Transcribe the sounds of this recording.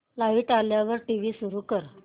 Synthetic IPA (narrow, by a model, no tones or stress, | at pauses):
laiʈaljaʋəɾʈiʋiːsuɾuːkəɾ